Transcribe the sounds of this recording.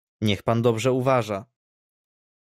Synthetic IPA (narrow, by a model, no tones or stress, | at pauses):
ɲɛxpand̪ɔbʐɛuvaʐa